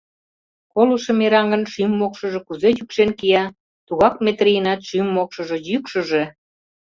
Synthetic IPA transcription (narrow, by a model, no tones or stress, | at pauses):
koluʃə̆meɾɑŋɡə̆nʃymːokʃə̆ʒĕkuzejykʃenkijɑ | t̪uɣɑk̚met̪rijnɑt̪ʃymːokʃɤ̆ʒĕjykʃə̆ʒe̽